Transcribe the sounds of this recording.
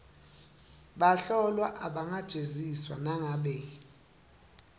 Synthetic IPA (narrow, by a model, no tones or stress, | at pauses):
ɓaɬɔlwaʔaɓaŋad̥ʒ̥ʱeziswanaŋaɓɛ